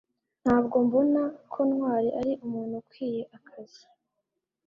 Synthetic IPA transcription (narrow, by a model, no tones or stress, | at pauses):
n̥haːbɡo̞mbo̞nakʰonhwaːɾiʔaɾiʔumuːn̥hukwiːje̞ʔakʰazi